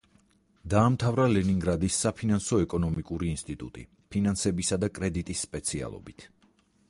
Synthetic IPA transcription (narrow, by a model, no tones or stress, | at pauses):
d̪aːmt̪ʰavɾalɛniŋɡɾad̪isːapʰinansɔɛkʼɔnɔmikʼuɾiːnst̪ʼit̪ʼṵt̪ʼḭ | pʰinansɛbisad̪akʼɾɛd̪it̪ʼisːpʼɛt̪sʰia̰lˠɔ̰bit̪ʰ